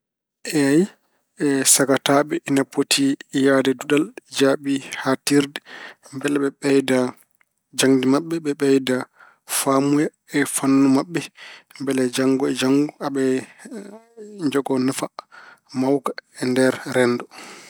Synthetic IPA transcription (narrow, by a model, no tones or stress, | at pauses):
ʔɛaj | ɛsaɡataɓɛʔinapʰotʰijadɛduɗald͡ʒaɓihatiɾdɛmbɛlɛɓɛɓɛjda | d͡ʒaŋdimaɓːɛɓɛɓɛjda | famuja | ɛfanːumaɓːɛmbɛlɛd͡ʒaŋɡɔɛd͡ʒaŋɡɔaɓɛ | ɲd͡ʒɔɡɔnafamawkaɛndɛɾɾɛnːdɔ